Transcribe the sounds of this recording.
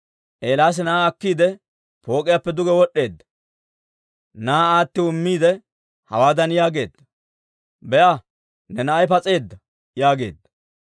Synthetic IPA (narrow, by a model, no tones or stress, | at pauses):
ʔeːlaːs̬ɛnaːɐkːiːd̪ɛ | po̞ːkʼɪjapːɛd̪ʊɡɛwɔɗːe̞ːd̪ːɐ̥ | naːaːt̪ːɪʊmːiːd̪ɛ | hɐ̰waːd̪ɐnjaːɡe̞̰ːd̪ːɐ | bɛʔɐ | nɛnɐɐjpɐt͡sʼe̞ːd̪ːɐ | jaːɡe̞̰ːd̪ːɐ̥